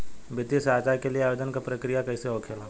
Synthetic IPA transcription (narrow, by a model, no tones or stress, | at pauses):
bɪt̪isaːt͡ʃaːjkelieaːjod̪ənkapɾɐkɾijakɐiseɦoːkʰela